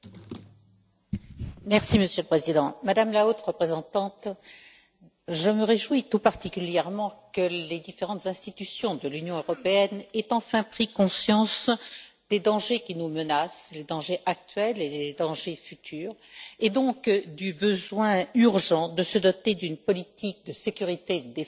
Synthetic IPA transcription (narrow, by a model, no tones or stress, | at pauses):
mɛʁsiməsjøləpχezid̪ɑ̃mad̪amlaot̪ʁəpχezɑ̃t̪ɑ̃t̪ | ʒəməʁeʒwit̪upaʁt̪ikʲyljɛʁmɑ̃kəled̪ifeʁɑ̃t̪zɛ̃st̪it̪ysjɔ̃d̪əlynjɔ̃øʁɔpeɛnɛt̪ɑ̃fɛ̃pχikɔ̃sjɑ̃s | d̪̥ed̪ɑ̃ʒekʲinumənasled̪ɑ̃ʒeʔak̚t̪ɥɛleed̪ɑ̃ʒefyt̪ʰyːʁed̪ɔ̃kd̪ybəzwɛ̃yʁʒɑ̃d̪əsəd̪ɔt̪ed̪ynpɔlit̪ik̚d̪əsekʲyʁit̪ed̪e